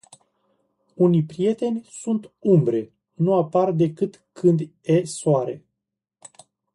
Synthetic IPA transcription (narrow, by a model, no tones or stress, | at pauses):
unijpɾije̞t̪e̞nʲsunt̪umbɾe̞ | nuapard̪e̞kɨt̪kʰɨnd̪esoaɾe̞